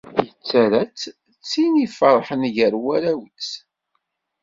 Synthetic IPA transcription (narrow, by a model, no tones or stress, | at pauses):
θjət͡sːæɾæt͡s | t͡sːinifəɾˤħənʝəɾwæɾæwət͡s